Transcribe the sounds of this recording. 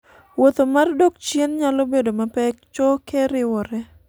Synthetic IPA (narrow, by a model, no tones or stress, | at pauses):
wot̪omardokt͡ʃjenɲalobedomapɛk̚t͡ʃɔkeɾɪwɔɾɛ